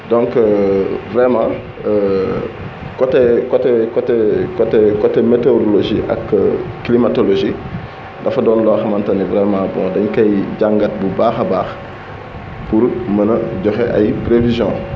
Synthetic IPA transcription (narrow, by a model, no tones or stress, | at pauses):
dɔ̃ŋk | vɾɛmãː | kɔtɛkɔtɛkɔtɛkɔtɛkɔtɛmetodoloʒiʔɐ̰kːkːlimatoloʒi | dɐfɐdɔːnlɔxɐmɐntɐnivɾɛmãːbɔ̰̃dɐɲkɐjɟaŋɡɐt̚bubaːxɐbaːx | puɾmɐnɐɟɔxɛʔɐ̰jpɾevizjɔ̰̃ː